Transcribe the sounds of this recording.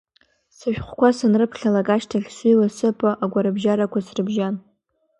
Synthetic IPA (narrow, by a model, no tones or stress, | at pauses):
sɨʃᶣχʷkʷasanrɨpʰɬʲalakʼaʃtʰaχʲsilasɨpʼaʔaɡʷaɾɨbʒaɾakʷʰasrɨbʒan